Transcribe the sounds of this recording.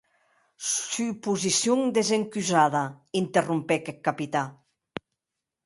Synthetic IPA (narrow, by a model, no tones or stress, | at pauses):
sypuzisjuŋd̪ezeŋkyzaðaint̪erumpɛkɛkkːapit̪a